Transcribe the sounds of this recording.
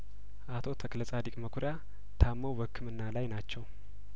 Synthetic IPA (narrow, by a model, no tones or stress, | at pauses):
ʔat̪ʰo̞t̪ʰəklət͡sʼad̪ikʼməkʰuɾja | t̪ʰamːəwwəkʰːɨmɨnːalajnat͡ʃːɛw